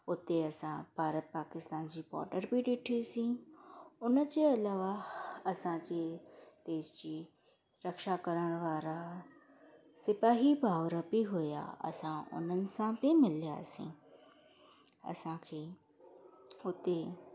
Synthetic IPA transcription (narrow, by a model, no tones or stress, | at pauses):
ʊt̪ːeɐsãb̥ʱaːɾət̪̚paːkɪst̪aːnd͡ʑipɔ̰ːʈəɾbʱiɖɪʈʰisĩ | ʊnət͡ɕeɐlaːʋaɐsãd͡ʑed̪̥eːʃd͡ʑi | ɾɐkʃakəɾəɽ̃ʋaːɾa | sɪpaːɦibʱaːʋɾəbiɦʊja̰ɐ̰sãʔʊ̰nənɪ̆sãbimɪlja̰sḭ̃ | ɐ̰sãkʰeː | ʊt̪ːe